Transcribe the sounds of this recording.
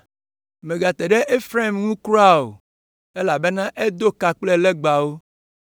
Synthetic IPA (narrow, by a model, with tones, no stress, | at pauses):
mẽ˨ɡa˨t̪e˨ɖe˦ʔe˦fɾe˦˨mŋũ˦kɾo˦a˦o̰˨ | e˦la˨be˦nã˦ʔe˦d̪o˦ka˨k͡ple˦le˦ɡ͡ba˨wo˦